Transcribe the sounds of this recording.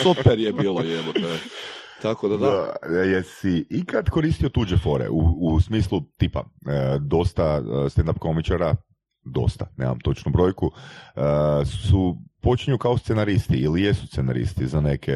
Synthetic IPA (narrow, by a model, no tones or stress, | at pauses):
sopeɾjebiːlˠajemot̪a | t̪akod̪ad̪aajesiikad̪koɾiːst̪io̞t̪ud͡ʒefo̞ɾḛʔuːsmiːslˠut̪iːpa̰əd̪o̞st̪ast̪end̪ap̚komit͡ʃaɾa | d̪o̞̰st̪anḛma̰mt̪o̞t͡ʃnubɾo̞jkuəsupo̞t͡ʃiɲukao̞st̪senaɾist̪iilijesust̪sena̰ɾḭst̪izane̞kʰe